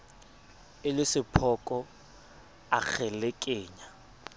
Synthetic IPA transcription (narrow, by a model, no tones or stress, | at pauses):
ɪlɪsɪpʰɔkʼɔ | ak͡xʰɛlekʼeːɲa